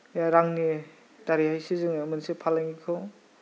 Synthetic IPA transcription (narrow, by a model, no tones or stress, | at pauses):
jaɾaŋni | taɾihajsizɯŋmɯnsipʰalaŋikʰɔ